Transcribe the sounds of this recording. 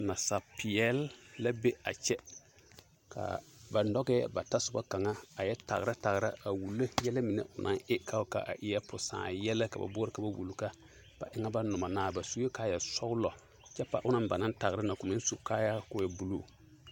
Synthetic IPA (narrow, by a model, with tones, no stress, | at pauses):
na˨sa˨pɪ˨ɛ˦lːa˦be˦a̰˨t͡ʃɛ˦ | ka̰˨ba˨nɔ˦ɡɛ˦ba˨ta˦sʊ˨ba˦ka˨ŋa˦a˨jɛ˦ta̰˨ɣɾa˦ta˨ɡɾa̰˦a˨wu˨le˦jɛ˦la˦mi˨nḛ˨ʊ˨nʔã̰˦ŋʔɪ˦ka˦ka̰˨ʔa̰˨ʔɪ˨jɛ˦pʊ˨sã̰ː˨jɛ˦lɛ˦ka̰˨ba̰˨bʊ˦ɾɪ˦ka˨ba˦wʔṵ˨lu˨ka˦ | b̥a̰˨ʔɪ˦ŋa˦ba˦nʊ˨ma˨naː˨ba˨su˦je˦kaː˦jɛ˨sɔ˦ɡlɔ˨ | t͡ʃɛ˦pa̰˦˨ʔʊ˦na˦mba˨na˦nta˨ɣɾɪ˦na˨kʊ˨mɪ̃˦n˦su˨ka˦ja˦kʊ˦jɛ˨bu˨lu˦˨